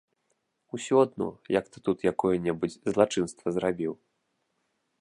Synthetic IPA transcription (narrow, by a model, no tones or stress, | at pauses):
usʲuad̪nɔ̰jɐkt̪ɨ̥t̪ut̪jakɔjɐnʲɛbud͡zʲzlˠat͡ʂɨnst̪vɐzɾabʲiw